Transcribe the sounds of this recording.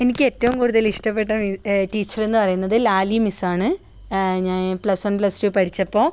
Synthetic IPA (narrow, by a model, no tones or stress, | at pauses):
enikʲːe̞tːɐʋumkuːɽuðɐliʂʈɐpːe̞ʈːɐmiʈiːt͡ɕːɐre̞nːɨpɐrɐjunːɐðɨlaːlimisaːɳɨ | ɲaːnplɐsɐnplɐsʈipɐʈʰit͡ɕːɐpːoː